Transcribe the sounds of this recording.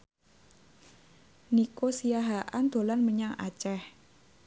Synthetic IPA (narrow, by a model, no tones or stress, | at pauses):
nikosijaɦaʔand̪̥o̤lanməɲaŋa̰t͡ʃɛh